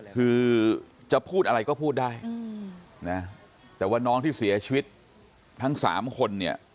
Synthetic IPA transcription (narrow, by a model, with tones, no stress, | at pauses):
kʰɯː˧t͡ɕa˨˩pʰuː˥˩t̪̚ʔa˧ɾa˧jkɔː˥˩pʰuː˥˩t̪̚daː˥˩j | na˦˥ | t̪ɛː˨˩waː˥˩nɔː˦˥ŋt̪ʰiː˥˩si˩˦ɐt͡ɕʰi˧wi˦˥t̪̚ | t̪ʰa˦˥ŋsa̰ː˩˦mkʰo˧nːi˥˩ɐ